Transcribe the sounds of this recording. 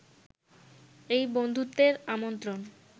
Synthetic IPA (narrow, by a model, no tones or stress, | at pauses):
ejbond̪ʱut̪ːeɾamont̪ɾon